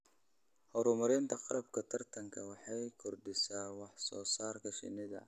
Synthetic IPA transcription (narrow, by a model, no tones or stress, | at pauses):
hɔɾʊmɐɾɪnt̪ʰɐqɑɾɐbkʰɐt̪ʰɐrt̪ʰɐŋkʰɐwɑħɑjkʰʊrɖɪsaːwɑħsɔːsaːrkʰɐʃɪ̰nɪðɐ̰